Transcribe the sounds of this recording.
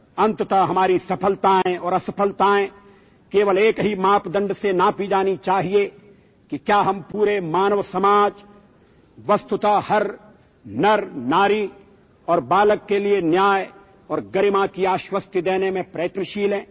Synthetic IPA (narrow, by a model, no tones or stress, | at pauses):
ɐ̃nt̪ət̪aɦɐmaːɾisɐpʰəlt̪aɦɛ̃ɔːɾɐsɐpʰəlt̪aɦɛ̃ː | keːʋəleːkɦimaːpd̪ə̃ɳɖsenapid͡ʒaːnit͡ʃaːɦie | kikjaːɦɐmpuːɾemaːnəʋsɐmaːd͡ʒ | ʋɐst̪ʊt̪ahɐɾ | nɐɾnaːɾi | ɔːɾbaːləkːelienjaːj | ɔːɾɡɐɾɪmakiaːʃwəst̪əd̪eːnemẽpɾɐːət̪nəʃiːlɦɛ̃ː